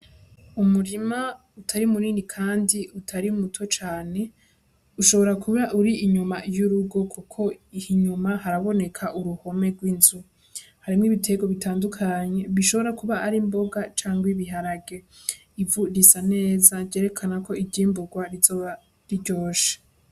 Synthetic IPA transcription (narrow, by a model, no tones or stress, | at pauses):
umuɾima | utʰaɾimuɾiːnikʰaːndiutʰaɾiumutʰo̞t͡ʃaːne̞ | uʃo̞βo̞ɾakuβaʔuɾiːɲumajuɾuɡo̞kʰukʰo̞ihiɲumaɦaɾaβo̞ne̞kʰaʔuɾuho̞me̞ɡwinzu | haɾimŋiβitʰe̞ɡo̞βitʰaːndukʰaɲe̞βiʃo̞βo̞ɾakuβaʔːɾimbo̞ɡat͡ʃaːŋɡwiβiɦaɾaɡe̞ | ivuɾisane̞ːzaɟe̞ːɾe̞kʰanako̞ibɟiːmbuɡwaɾizoa | ɾiɟo̞ːʃḁ